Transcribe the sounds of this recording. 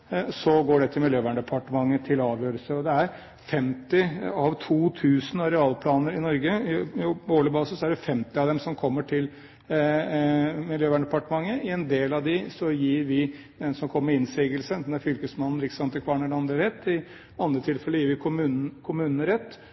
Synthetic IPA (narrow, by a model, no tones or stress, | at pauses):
sɔɡoːɖɛt̪ʰɪlmɪljøːʋæːɳəɖ̪ɛpʰɑʈəmɑŋːət̪ʰɪlɑːʋjøːɾəlsəɔd̪ɛæɾ | fɛmt̪ɪɑʋt̪ʰuːt̪ʰʉːsn̩ɑɾɛɑːlpʰlɑːnəɾɪnɔɾɡəjʊoːləbɑːsəsɔæɖɛfɛmt̪ɪɑʋd̪ɛmsɔmkʰɔmːəʈʰɪl | mɪljøːʋæːɳəd̪ɛpɑʈəmɑŋːəɪɛnd̪eːlɑʋd̪ɪsɔjiːɾʋɪ | d̪ɛnsɔmkʰɔmːəɾɪnsiːɡəlsənd̪ɛnæɾfʏlkəsmɑnnəɾɪkːəsɑnt̪ːəkʰʋɑːɳəɖɛɑnd̪ɾəɾɛt̪ːɪ | ɑnd̪ɾət̪ʰɪlfɛlːəɾjiːɾʋɪkʰʊmʉn̩kʰʊmʉːnnəɾɛt̪ː